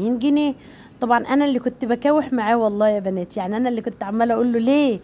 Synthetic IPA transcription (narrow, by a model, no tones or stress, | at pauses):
inɡiniː | t̪ˤɑbʕɑnʔænælːiːkont̪bækæːweħmaʕaːwɑlˤːɑːjæbænæːt̪ijaʕniʔænæʔlːiːkont̪ʕamːælʔæʔolːoleː